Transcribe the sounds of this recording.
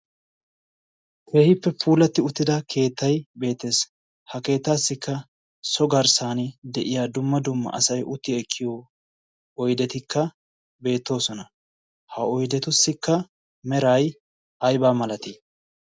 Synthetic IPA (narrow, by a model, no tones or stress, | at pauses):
kʰe̞ːhɪpːɛpʰuːlɐt̪ːɪʊt̪ːɪd̪ɐkʰe̞ːt̪ːɐjbe̞ːt̪ːe̞ːs | hɐke̞ːt̪ːaːsːɪkːɐ | sɔɡɐɾsaːnɪd̪ɛʔɪjaːd̪ʊmːɐd̪ʊmːɐ̰ʔɐ̰sɐjʔʊt̪ːɪɛkʰːɪjoː | ɔjd̪ɛt̪ɪkʰːɐ | be̞ːt̪ːo̞ːsɔnɐ | hɐɔjd̪ɛt̪ʊsːɪkːɐ | mɛɾaj | ɐjbaːmɐlɐt̪ɪ